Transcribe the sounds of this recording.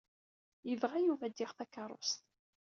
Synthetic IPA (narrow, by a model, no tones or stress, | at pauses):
jəvʁajuvæd̪ːɪʁθækɑɾˤʊ̰st̪